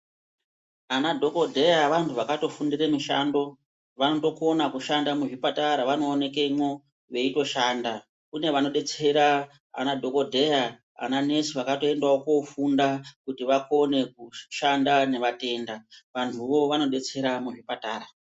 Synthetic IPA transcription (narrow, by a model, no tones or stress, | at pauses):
anadʱo̞ko̞dʱe̞jaʋantʰuʋakato̞fundiremiʃa̰ndo̞ | ʋanoto̞ko̞nakuʃandamuʐipataɾaʋano̞ːne̞kemwo̞ | ʋe̞ito̞ʃaːnda | kune̞ʋano̞ɗe̞t͡se̞ɾa | a̰nadʱo̞ko̞dʱe̞ja | a̰nane̞siʋakato̞e̞ndaokofundakutiʋako̞ne̞kuʃandane̞ʋate̞ndaʋantʰuʋo̞ʋano̞ɗe̞t͡se̞ɾamuʐipataːɾa